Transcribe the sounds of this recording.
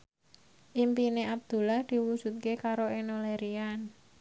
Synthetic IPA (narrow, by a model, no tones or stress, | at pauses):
ʔimpineab̚d̪̥ṳlahd̪̥i̤wud̥ʒ̥ṳt̪̚kekaɾoenoleɾian